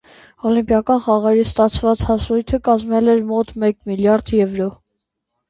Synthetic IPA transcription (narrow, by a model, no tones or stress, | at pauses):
ɔlimpjɑkɑnχɑʁɛɾist̪ɑt͡sʰvɑt͡shɑsɾujt̪ʰəkɑzmɛlɛɾmɔt̪mɛkmiljɑɾd̪jɛvɾɔ